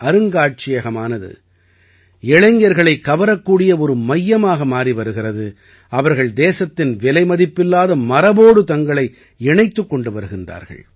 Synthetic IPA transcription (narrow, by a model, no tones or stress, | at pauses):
ɐɾɯŋɡaːʈ̚t͡ʃɪjɐɣɐmaːnɐðɯ̰ | ɛɭɐŋɡɪjɐɾɣɐɭɐɪkːɐʋɐɾɐkːuːɽɪjɐɔɾɯmɐjːɐmaːɣɐmaːriʋɐɾɯɣɪrɐðɯ | ɐʋɐɾɣɐɭd̪eːsɐt̪ːɪnʋɛlɐɪmɐðɪpːɪlːaːðɐmɐɾɐboːɽɯt̪ɐŋɡɐɭɐɪ | ɛɳɐɪt̪ːɯkːɔɳɖɯʋɐɾɯɣɪndra̰ːɾɣɐ̰ɭ